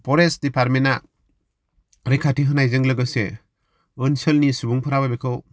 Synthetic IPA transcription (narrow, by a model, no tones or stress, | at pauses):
pɔɾesdipʰaɾmɛna | ɾekʰatiɦɯnajd͡ʒɯŋləɡɯse | ɯnsəlnisubuŋpʰɯɾababekʰɯw